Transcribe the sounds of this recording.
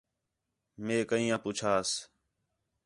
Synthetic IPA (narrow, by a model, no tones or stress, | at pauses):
mẽːkəĩːãːpʊt͡ʃʰaːs